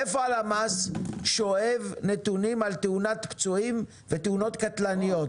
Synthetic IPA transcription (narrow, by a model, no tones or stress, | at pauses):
efoalamasʃoevnet̪unimalt̪eunat̪pt͡suim | vet̪euno̞t̪kat̪lanijot